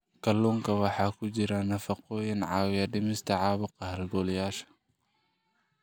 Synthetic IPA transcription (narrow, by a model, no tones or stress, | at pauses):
kʰɐluːŋkʰɐwɑħɑːkʰʊt͡ʃɪɾɐnɐfɑqɔːjɪnʕɑːwjɐɖɪmɪst̪ʰɐʕɑːβʊqɑhɐlɡɔːljaːʃɐ̥